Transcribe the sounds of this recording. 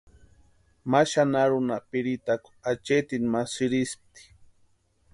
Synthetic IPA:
maʃanaɾunapiɾit̪aku̥at͡ʃet̪inmasiɾisp̚t̪i̥

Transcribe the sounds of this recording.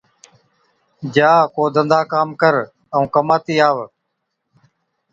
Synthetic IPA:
d͡ʒaːkoːd̪ənd̪aːkaːmkəɾ | əũːkəmaːt̪iːaːʋ

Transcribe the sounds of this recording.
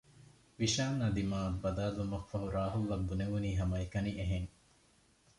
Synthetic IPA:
ʋiʃaːnːɐd̪imaːbɐd̪aːlumɐfːɐɦuɾaːɦulːɐbːuneʋuniːɦɐmɐekɐniʔeɦeŋ

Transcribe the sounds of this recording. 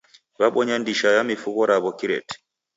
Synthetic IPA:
βaɓɔɲandiʃajamifuɣɔɾaβɔkiɾɛ̰t

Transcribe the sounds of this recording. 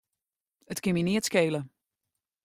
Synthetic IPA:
ətkɪminiətskeːlə

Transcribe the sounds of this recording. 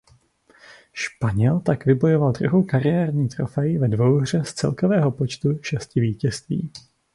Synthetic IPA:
ʃpaɲɛlt̪akvɪbo̞jo̞valdɾuɦowkaɾɪjɛːɾɲiːt̪ɾo̞̰fɛjɪvɛdvo̞wr̝ɛst͡sɛ̰lkovɛːɦo̞po̞t͡ʃt̪uʃɛscɪviːcɛst̪vḭː

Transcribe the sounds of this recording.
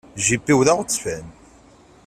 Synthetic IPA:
ʒipːiwðæʁt͡sːfæn

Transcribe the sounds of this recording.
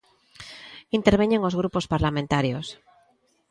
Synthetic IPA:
int̪e̞ɾβ̞eɲeŋo̞zɣ̞ɾupospaɾlamẽnt̪aɾjos

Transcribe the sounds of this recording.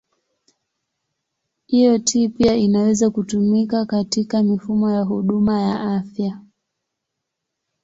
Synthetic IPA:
hijɔtʰiːpiainawɛzakutumikakatikamifumɔjaɦuɗumajaʔafja

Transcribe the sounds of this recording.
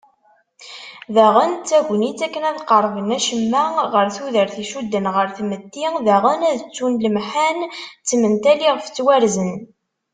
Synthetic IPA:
ðæʁənt͡sːæʝʷnit͡sːækːənæðqərˤvənæʃəmːæʁəɾθuðəɾθiʃud̪ːənʁəɾθmət̪ːiðæʁənæðət͡sːunləmħant͡sːmənt̪æliʁft͡sːwæɾzən

